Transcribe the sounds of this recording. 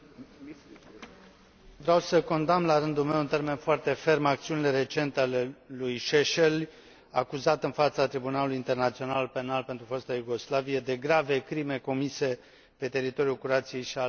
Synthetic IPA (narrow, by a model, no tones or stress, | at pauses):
vɾawsəko̞nd̪amlaɾɨnd̪ulme̞wunt̪e̞rme̞nfoart̪e̞fe̞rmak̚t̪siunile̞ɾe̞t͡ʃe̞nt̪ealelujʃeʃel | akuzat̪ɨnfat̪sat̪ɾibunaluluint̪e̞rnat̪sio̞nalpe̞nalpe̞nt̪ɾufost̪ajuɡo̞slavije̞d̪e̞ɡɾave̞kɾime̞ko̞mise̞ | pe̞t̪e̞ɾit̪o̞ɾiulkuɾat̪sije̞jʃia